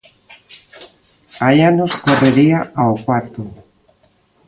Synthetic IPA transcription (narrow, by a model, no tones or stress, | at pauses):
ajanoskoreɾiaawkwaɾt̪ʊ